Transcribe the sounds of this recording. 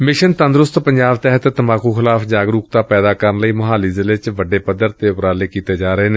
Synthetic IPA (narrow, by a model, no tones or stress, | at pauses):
mɪʃənt̪ənd̪ɾʊst̪pəɲd͡ʒaːbt̪ɛɦət̪t̪əmaːkuːxʰɪlaːfd͡ʒaːɡɾuːk̚t̪aːpɛːd̪aːkəɾənləiːmʊɦaːliːzɪleːt͡ʃʋəɖeːpəd̪əɾt̪eːʊpɾaːleːkiːt̪eːd͡ʒaːɾəɦeːneː